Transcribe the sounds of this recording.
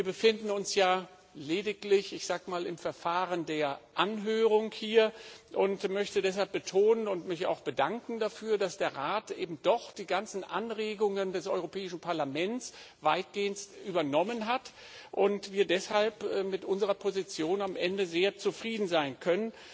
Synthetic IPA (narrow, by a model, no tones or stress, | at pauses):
viːɐbəfɪndn̩ʊnsjaː | leːdɪklɪçɪçz̥aːkəmaːlɪmfɛɐfaːʁəndeːɐʔanɦøːʁ̞ʊŋhiːɐʔʊntmœçtədɛs̬halp̚b̥ətʰoːnənʊntmɪça̰ʊxb̥ədaŋkŋ̩dafyːɐdasd̥eːɐʁaːtʔeːbm̩d̥ɔχd̥iːɡant͡sn̩ʔa̰nʁeːɡʊŋəndɛsʔɔʏʁopʰɛːɪʃn̩pʰaɐlamɛnt͡svaɪt̚ɡ̥eːənstʔyːbɐnɔmənɦat | ʔʊntv̥iːɐdɛshalpɛːmɪtʔʊnzəʁɐpʰozit͡sjoːnamʔɛndəzeːɐt͡sufʁ̥iːdn̩zaɪnkʰœnən